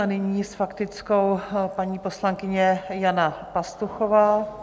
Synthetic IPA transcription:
anɪɲiːsfakt̪ɪt͡sko̞wpaɲiːpo̞slaŋkɪɲɛjanapast̪uxova

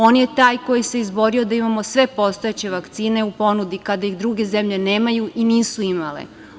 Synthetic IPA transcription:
o̞ːnje̞t̪aːjko̞jise̞izbo̞ɾio̞d̪aimamo̞sʋe̞po̞st̪o̞et͡ɕe̞ʋakt̪siːne̞upo̞nud̪ikad̪ajiɣd̪ɾuɡe̞zemʎe̞ne̞ːmajuʔiniːsuimalḛ

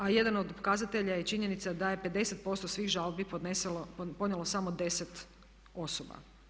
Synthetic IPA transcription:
aje̞d̪anod̪pokazat̪e̞ʎajet͡ʃiɲe̞nit̪sad̪aje̞pe̞d̪ese̞t̪̚po̞st̪osʋiːɣʒalˠbipoespo̞d̪njelˠosamod̪e̞set̪ | o̞soba̰

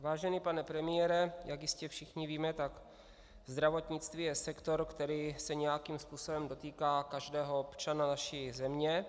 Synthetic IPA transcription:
vaːʒɛnipanɛpɾɛmɪjɛɾɛjakjɪscɛfʃɪxɲɪviːmɛt̪ak | zd̪ɾavo̞t̪ɲɪt͡st̪viːjɛsɛkt̪o̞ɾkt̪ɛɾiːsɛɲɛjakimspuːso̞bɛmdo̞t̪iːkaːkaʒdɛːɦoopt͡ʃananaʃizɛmɲɛ

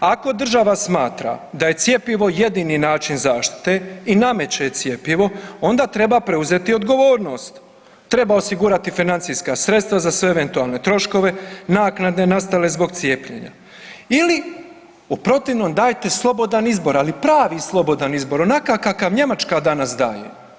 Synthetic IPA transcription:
ako̞d̪r̩ʒaʋasmaːt̪ɾa̰d̪aje̞t̪sje̞piʋo̞jed̪iniːnaːt͡ʃinzaːʃt̪i̥t̪e̞iname̞t͡ɕet̪sje̞piʋo̞o̞nd̪aːt̪ɾe̞bapɾe̞uze̞t̪io̞d̪ɡo̞ʋo̞ːɾno̞ːst̪ː | ɾe̞baosiɡuɾat̪ifinant̪sijskasɾet̪st̪ʋazasʋe̞eʋe̞nt̪ualˠne̞t̪ɾo̞ʃko̞ʋe̞naːknad̪ne̞nast̪ale̞zbo̞ɡ̚t̪sije̞ːpʎḛɲa̰ | ili | upɾo̞t̪iʋnoːmd̪aːjt̪e̞slˠo̞bo̞d̪anizbo̞ɾalipɾaːʋiːslˠo̞bo̞d̪anizbo̞ɾonakakakaʋɲe̞mat͡ʃkad̪anas̬d̪a̰ːjḛ

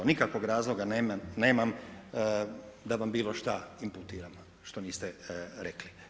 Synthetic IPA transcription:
onikakʋoɡɾaːzlˠo̞ɡanemane̞ːmam | d̪aʋambiːlˠo̞ʃt̪aimput̪iːɾam | ʃt̪o̞niːst̪ɛɾekli

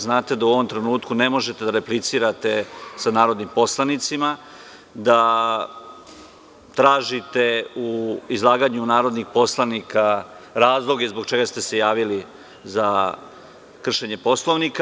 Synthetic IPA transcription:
znaːt̪e̞d̪auo̞ʋomt̪ɾenuːt̪kune̞mo̞ʒet̪e̞d̪aɾe̞plit̪siːɾat̪e̞sanaːɾo̞d̪nimpo̞slˠanit̪sima | d̪a | t̪ɾaːʒit̪e̞uizlˠaːɡaɲunaːɾo̞d̪nixpo̞slˠanikaɾaːzlˠo̞ɡeizboɡ̚t͡ʃe̞ɡast̪e̞se̞jaːʋili | za | kr̩ʃe̞ɲe̞po̞slˠoʋnika

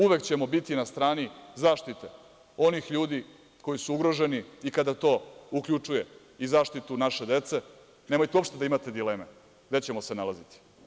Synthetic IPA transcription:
uʋe̞kt͡ɕe̞mo̞bit̪inast̪ɾaːnizaːʃt̪it̪e̞ | o̞nixʎuːd̪i | ko̞jisuuɡɾo̞ʒe̞niikad̪at̪o̞ːukʎʲut͡ʂuje̞ | izaːʃt̪it̪unaʃe̞d̪e̞t̪se̞ | neːmo̞jt̪eo̞pʃt̪e̞d̪aimat̪e̞d̪ile̞ːme | ɡd̪et͡ɕe̞mosenalazit̪i̥

